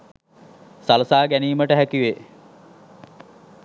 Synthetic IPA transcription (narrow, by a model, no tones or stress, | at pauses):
saləsaːɡæniːməʈəɦækiʋe